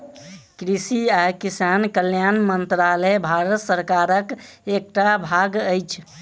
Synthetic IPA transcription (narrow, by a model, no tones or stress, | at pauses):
kɾisiakisankəljanmənt̪ɾaləbʱaɾət̪səɾkaɾək | ek̚ʈabʱaɡəjt͡ʃʰ